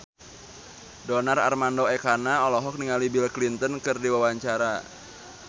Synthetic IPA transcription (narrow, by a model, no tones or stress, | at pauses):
dɔnara̰rmandoɛkanaɔlɔɦɔk̚niŋalibilklint̪ənkɨrdiwawaɲt͡ʃaɾa